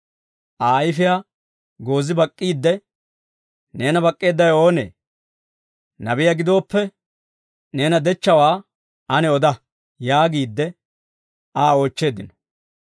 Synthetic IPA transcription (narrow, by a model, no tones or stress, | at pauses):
ʔaːjɪfɪjaː | ɡo̞ːzɪbɐkʼːiːd̪ːɛ | ne̞ːnɐbɐkʼːeːd̪ːɐjo̞ːnḛː | nɐbɪjaɡɪd̪o̞ːpːɛ | ne̞ːnɐd̪ɛt͡ʃːɐwaː | ʔɐnɛɔd̪ɐ | jaːɡiːd̪ːɛ | aːo̞ːt͡ʃːe̞ːd̪ɪnɔ̥